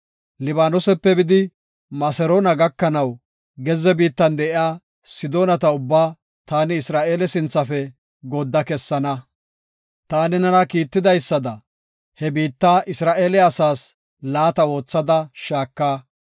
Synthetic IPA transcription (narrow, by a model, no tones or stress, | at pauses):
lɪbaːnɔsɛpːɛbɪd̪ɪ | mɐsɛɾoːnɐɡɐkːɐnɐw | ɡɛzɛbiːt̪ːɐnd̪ɛʔɪjaː | sɪd̪o̞ːnɐt̪ɐʊbːaː | t̪aːnɪːsɾaːʔe̞ːlɛsɪnt͡sːɐfɛ | ɡɔd̪ːɐkɛsːɐnɐ | t̪aːnɪnɐnɐkiːt̪ːɪd̪ɐjsːɐd̪ɐ | hɛbiːt̪ːaːʔɪsɾaːʔe̞ːlɛɐsaːs | laːt̪ɐo̞ːt͡sːɐd̪ɐʃaːkːaː